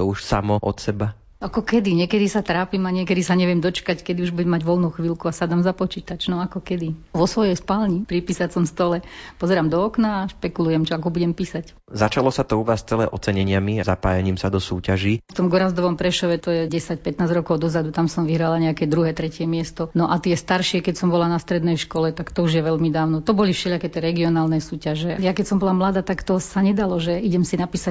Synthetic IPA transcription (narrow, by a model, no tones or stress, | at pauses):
t̪ɔuʃsamɔʔɔ̰t̪sɛba | akɔkɛd̪iɲɪɛkɛd̪isat̪ɾaːpimaɲɪɛkɛd̪isaɲɛʋɛmd̪ɔt͡ʃkackɛd̪iuʒbuɟɛmaɟʋɔlnuːxʋiːlkuasad̪aːmzapɔt͡ʃiːt̪at͡ʃnɔakɔkɛd̪iʋɔsʋɔjɛjspalɲipɾipiːsasɔmst̪ɔlɛpɔzɛɾaːmd̪ɔɔknaːʃpɛkulujɛmt͡ʃɔakɔbuɟɛmpiːsac | zat͡ʃalɔsat̪ɔuʋaːst͡sɛlɛ̰ːʔɔt͡sɛɲɛɲɪamiazapa̰ːjaɲiːmsad̪ɔsuːcaʒiːft̪ɔmɡɔɾazd̪ɔʋɔmpɾɛʃɔʋɛt̪ɔjɛɟɛsac̚pɛt̪naːzɟɾɔkɔʊd̪ɔzad̪ut̪amsɔmʋiɦɾalaɲɛakɛd̪ɾuɦɛt̪ɾɛcɪɛmɪɛst̪ɔnɔʔat̪ɪɛst̪aɾʃɪɛkɛcsɔmbɔlanast̪ɾɛd̪nɛjʃkɔlɛt̪akt̪ɔuʒjɛʋɛʎmid̪aːʊnɔt̪ɔbɔlifʃɛʎakɛt̪ɛɾɛɡiɔnaːlnɛsuːcaʒɛjakɛcsɔmbɔlamlad̪aːt̪akt̪ɔsaɲɛd̪alɔʒɛiɟɛmsinapiːsa